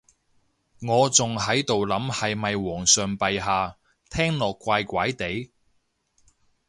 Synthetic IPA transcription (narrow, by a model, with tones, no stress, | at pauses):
ŋɔː˨˧t͡sʊ˨ŋɦɐ˨˥jt̪o˨wlɐ˨˥mhɐ˨jmɐ˨jwɔː˨˩ŋsœː˨ŋpɐ˨jɦaː˨ | t̪ʰɛː˥ŋlɔː˨kːʷaː˧jkʷaː˨˥jt̪e˨˥j